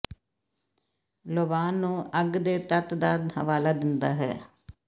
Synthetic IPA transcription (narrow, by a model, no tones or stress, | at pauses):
loʋaːnːũːəɡd̪eːt̪ət̪d̪aːd̪hə̰ʋaːlaːd̪ɪnd̪aːɦɛ̰ː